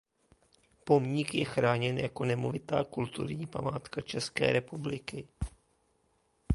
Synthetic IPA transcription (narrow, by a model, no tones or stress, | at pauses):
po̞mɲɪkjɛxɾaːɲɛnjako̞nɛmovɪt̪aːkult̪ṵɾɲiːpa̰maːt̪kat͡ʃɛskɛ̰ːɾɛpublɪkɪ